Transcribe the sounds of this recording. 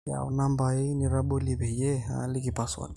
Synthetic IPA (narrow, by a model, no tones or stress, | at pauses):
a̰wnambaeniɾabolibʱejeɦa̰likipaswɔ̰n